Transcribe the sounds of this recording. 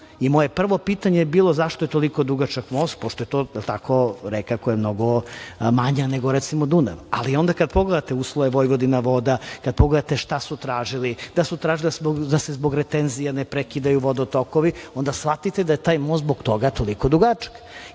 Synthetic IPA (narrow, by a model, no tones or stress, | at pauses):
imoje̞pr̩ʋo̞pit̪aɲebiːlˠo̞zaʃt̪ojet̪oliko̞d̪uɡat͡ʃakmoːst̪̚poʃt̪ojet̪oːjelˠt̪akoɾekakojemnoɡomaɲaneɡoɾɛt̪simod̪una̰ʋa̰lio̞nd̪akad̪̚poɡled̪at̪euːslˠoʋeʋojʋod̪inaʋo̞d̪akad̪̚poɡled̪at̪eʃt̪asut̪ɾaːʒilid̪asut̪ɾaːʒilbod̪asezboɡɾet̪enzijanepɾekid̪ajuʋod̪ot̪okoʋio̞nd̪asfat̪it̪ed̪ajet̪aːjmosboɡt̪o̞ɡat̪olikod̪uɡat͡ʃḁk